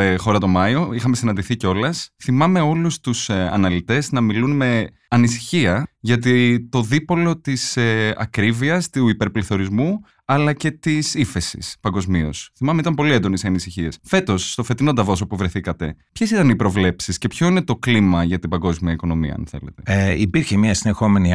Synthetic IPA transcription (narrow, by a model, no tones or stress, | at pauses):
exo̞ɾɐt̪o̞mɐioixɐme̞sinɐnd̪iθiceo̞lɐsθimɐme̞o̞lust̪usɐ̰nɐlit̪e̞znɐmilunme̞ | ɐnisi̥çiɐʝɐt̪it̪o̞ðipo̞lo̞t̪iseɐ̰kɾiviɐst̪uipe̞ɾpliθo̞ɾizmu | ɐlɐce̞t̪isife̞sḭspɐŋɡo̞zmio̞̰sθimɐme̞it̪ɐmpo̞liend̪o̞nesiɐnisiçie̞sfe̞t̪o̞sːt̪o̞fe̞t̪ino̞d̪ɐvo̞s̬opuvɾeθikɐt̪e̞pçe̞sit̪ɐnipɾo̞vle̞psisce̞pço̞ine̞t̪o̞klimɐʝɐt̪ibɐŋɡo̞zmiɐiko̞no̞miɐ̰ɐ̰nθe̞̰le̞t̪e̞ipiɾçemɲɐsinexo̞me̞ni